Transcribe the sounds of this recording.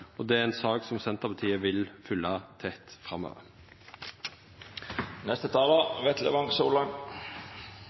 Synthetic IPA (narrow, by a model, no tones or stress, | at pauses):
ɔd̪ɛːæɾɛnsɑːksɔmsɛnt̪əʁpʰɑt̪ʰiːəʋɪlfʏlːɑt̪ʰɛt̪fʁɑmø̰ːʋəɾ | nɛst̪ət̪ʰɑːləʋɛt̪lə̰ʋɑŋsoːlɑŋ